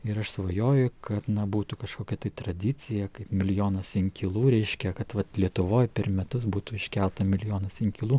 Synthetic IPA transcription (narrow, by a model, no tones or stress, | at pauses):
ɪɾɐʃsʋɐjoːjʊkɐt̪nɐbuːt̪ukɐʃkoːkʲɛt̪ɐɪt̪ɾɐd̪ʲɪt͡s̪ʲɪjɛkɐɪpmʲɪlʲjoːnɐsɪŋkʲɪlˠuːɾʲɛɪʃʲkʲɛkɐt̪ʋɐt̪lʲiɛt̪ʊʋoːjpʲɛɾmʲɛt̪ʊs̬buːt̪ʊːɪʃʲkʲɛlˠt̪ɐmʲɪlʲjoːnɐsɪŋkʲɪlˠuː